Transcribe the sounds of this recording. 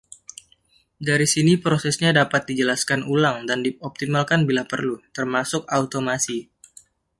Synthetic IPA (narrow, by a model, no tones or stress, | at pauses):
daɾisinipɾosɛsɲadapat̪̚did͡ʒəlaskanulaŋdandiɔp̚t̪imalkanbilapərlut̪ərmasʊk̚aut̪omasi